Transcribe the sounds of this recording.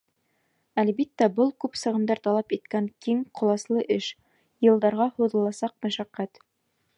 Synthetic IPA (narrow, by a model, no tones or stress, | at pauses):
ælbit̪ːæbɤlˠkʉpsɤ̆ʁɤ̆nd̪ɑɾt̪ɑlˠɑpit̪̚kæŋkiŋqŏlˠɑslˠɤʔɘʃ | jɤ̆lˠd̪ɑɾʁɑhuðɤ̆lˠɑsɑq̚mæʃæqːæt̪